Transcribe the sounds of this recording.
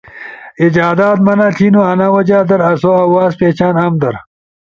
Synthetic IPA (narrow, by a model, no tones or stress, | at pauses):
id͡ʑaːd̪aːt̪mɐnaɬʰinuɐnawɐd͡ʑaːd̪ɐɾɐsoɐwaːspeːt͡ɕʰaːnɐmd̪ɐɾ